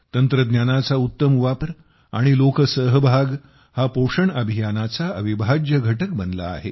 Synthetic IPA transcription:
t̪ənt̪ɾəd̪njanat͡saut̪ːəmʋapɾ | a̰ɽ̃ilokəsəɦbʱaɡ | hapoʂəɳəbʱijanat͡saəʋibʱad͡ʑjəɡʱəʈək̚bənla̰ːɦe

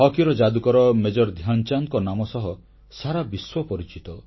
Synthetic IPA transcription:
ɦɔkiɾɔd͡ʒad̪ukɔɾɔmed͡ʒɔɾd̪ʱjant͡ʃaŋkɔnamɔsɔɦɔ | saɾabiswɔpɔɾit͡ʃit̪ɔ

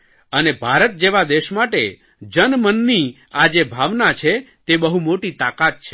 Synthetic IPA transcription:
ənebʱaɾət̪̚d͡ʒeʋad̪eʃmaʈe | d͡ʒənmənːi | ad͡ʒebʱaʋnat͡ʃʰet̪ebəɦumoʈit̪akat̪̚t͡ʃʰe

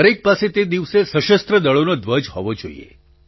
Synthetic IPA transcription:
ɾek̚paset̪ed̪iʋsesəʃəst̪ɾəd̪əɭonod̪ʋəd͡ʒɦɔʋod͡ʒoḭḛ

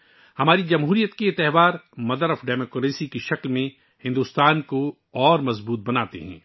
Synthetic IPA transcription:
hɐmaːɾid͡ʒɐmɦuːɾijət̪kiɪt̪ːɛɦʋaːɾmɐd̪əɾɔfɖɛːmoːkɾeːsikeʃɐklmẽ | hɪ̃nd̪uːst̪aːnko | ɔːɾmɐzbuːt̪̚bɐnaːt̪ḛɦɛ̰̃ː

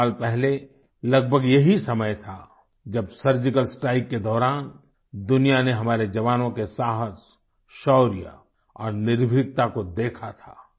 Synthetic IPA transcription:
aːlpɛɦle | lɐɡ̚bʱəɡjɐɦisɐməjt̪ʰa | d͡ʒɐbsəɾd͡ʒɪkəlsʈaːɪkːed̪ɔːɾaːn | d̪ʊnijaneɦɐmaːɾed͡ʒɐʋaːnõkesaːɦəs | ʃɔːɾija̰ | ɔːɾnɪɾbʱɾɪk̚t̪akod̪eːkʰat̪ʰa̰ː

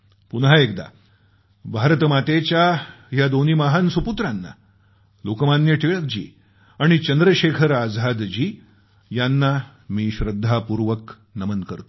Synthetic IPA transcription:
punɦaekd̪a̰ | bʱaɾt̪əmat̪et͡ɕja | jad̪oniːmaɦansuput̪ɾanːa̰ | lokəmanjəʈʰeɭək̚d͡ʑḭː | aɽ̃it͡ɕənd̪ɾəɕekʰəɾad͡zʱad̪d͡ʑiː | janːa | miːɕɾəd̪ʱːapuɾʋək | nəmənkəɾt̪o̥

